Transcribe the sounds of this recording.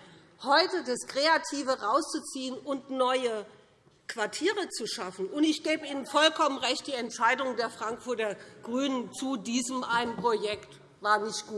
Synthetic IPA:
hɔʏtədaskʁ̥eatʰiːvəʁaʊst͡sut͡siːənʊntnɔʏə | kv̥aɐtʰiːʁ̞ət͡suʃafn̩ʊntɪçɡ̥eːbəiːnənfɔlkʰɔmənʁɛçt̚d̥iːɛntʃaɪdʊŋdeːɐfʁ̥aŋkfʊɐtɐɡ̥ʁyːnənt͡sudiːzəmʔaɪnənpʁ̥ojɛkt | vaːɐnɪçt̚ɡ̥uː

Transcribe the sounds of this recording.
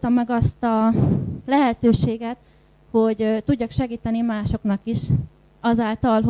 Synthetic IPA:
t̪ɒmːɛɡɒst̪ɒ | lɛɦɛt̪øːʃeːɡɛt̪ | hoɟt̪uɟːɒkʃɛɡiːt̪ɛnimaːʃo̞knɒkiʃ | ɒzaːlt̪ɒlɦ

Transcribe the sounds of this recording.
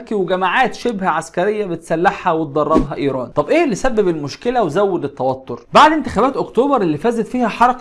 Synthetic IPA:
kiweɡæmaʕaːt̪ʃebhæʕaskæɾejːæbet̪sælːaħhæwet̪̚d̪ˤɑrˤːɑbɦæʔiːɾˤɑːnt̪ˤɑbʔeːʔelːisæbːebelmoʃkelæwzæwːed̪et̪ːæwæt̪ːoɾbaʕd̪ent̪ɪxæbæːt̪ʔokt̪oːbɑɾˤelːifæːzæt̪fiːhæħɑɾˤɑk

